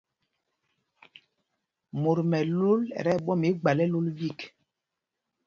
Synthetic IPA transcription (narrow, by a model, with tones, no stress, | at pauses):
mo˨ɾmɛ˨lo˦lɛ̰˨ɾɛ˦˨ɓɔ˦mi˨˦ɡ͡ba˨lɛ˦lo˦lvi˦˨k